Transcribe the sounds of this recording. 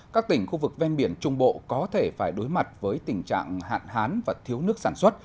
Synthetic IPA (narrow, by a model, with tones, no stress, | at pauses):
kaː˦˥k̚t̪ï˧˩ŋ̟xu˧vɨ˨˩k̚vɛ˧nɓi˧˩ənt͡ɕʊ˧ŋ͡mɓo̰˧˨kɔ˨˦t̪ʰe˧˩faː˧˩jɗo˨˦jma˨˩t̚vəː˨˦jt̪ï˨˩ŋ̟t͡ɕa̰ː˧˨ŋha̰ː˧˨nɦaː˨˦nvaː˨˩t̪ʰi˨˦əwnɨ˦˥ək̚saː˧˩nswə˦˥t̚